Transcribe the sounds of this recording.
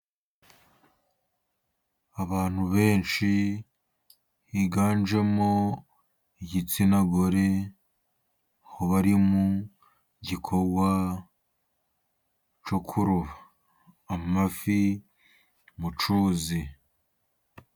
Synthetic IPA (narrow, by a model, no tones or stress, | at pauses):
aβaːn̥huβe̞ːnt͡ʃi | hiɡaːnd͡ʒe̞mo | iɟit͡sinaɡoɾe̞ | ahoβaɾimu | ɟikʰo̞ɡwa | t͡ʃokʰuɾuβaː | mafi | mut͡ʃuːzi